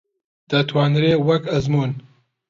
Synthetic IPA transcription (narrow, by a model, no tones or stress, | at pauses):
d̪̥ɐt̪ʰwɑːnɾeːwɐkɐzmuːn